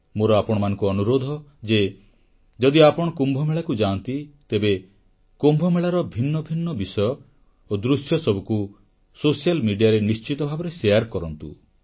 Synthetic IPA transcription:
moɾɔapɔɽ̃ɔmanɔŋkuɔnuɾod̪ʱɔd͡ʒe | d͡ʒɔd̪iapɔɽ̃ɔkumbʱɔmeɭakud͡ʒaːnt̪it̪ebe | kumbʱɔmeɭaɾɔbʱinːɔbʱinːɔbisɔjɔ | od̪ɾusjɔsɔbʱuku | sosialmiɖijaɾenist͡ʃit̪ɔbʱabɔɾesejaɾkɔɾɔnt̪ṵ

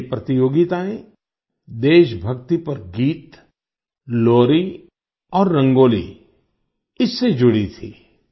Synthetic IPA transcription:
pɾɐt̪ijoːɡɪt̪aːẽ | d̪eːʃbʱɐkt̪ipɐɾɡiːt̪ | loːɾi | ɔːɾːɐ̃ŋɡoːlḭ | ɪsːed͡ʒʊɽit̪ʰḭː

